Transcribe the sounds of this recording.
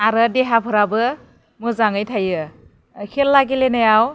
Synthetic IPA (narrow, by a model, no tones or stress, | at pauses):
aɾɯdeɦapʰɯɾabɯ | mɯzaŋɯjtʰajɯ | kʰelːaɡelenajaw